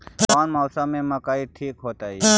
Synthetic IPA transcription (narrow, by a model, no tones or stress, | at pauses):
paːnmaːsamẽməkaːiʈʰiːkɦoːt̪aːiː